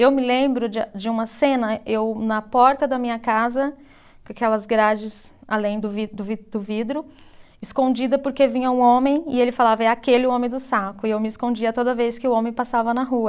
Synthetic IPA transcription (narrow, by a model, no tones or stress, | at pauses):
ewmɪlẽmbɾʊd͡ʒd͡ʒɪũmɐsẽnɐewnɐpɔɾt̪ɐd̪ɐmĩɲɐkazɐ | kakɛlɐzɡɾad͡ʒɪsalẽj̃d̪ʊvid̪ʊvid̪ʊvid̪ɾʊ | ɪskõd͡ʒid̪ɐpoɾkevĩɲɐũõmẽj̃ɪelɪfalavɐɛɾakelɪʊõmẽj̃d̪ʊsakʊɪewmɪskõd͡ʒiɐt̪od̪ɐvejskɪʊõmẽj̃pasavɐnɐɦuɐ